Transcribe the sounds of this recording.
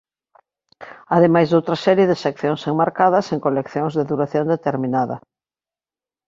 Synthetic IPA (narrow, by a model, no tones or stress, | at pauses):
aðemajzðowt̪ɾɐsɛɾjeðɪsekθjoŋseŋmaɾkaðɐseŋkolekθjoŋzðeðuɾaθjond̪et̪eɾminaðɐ̰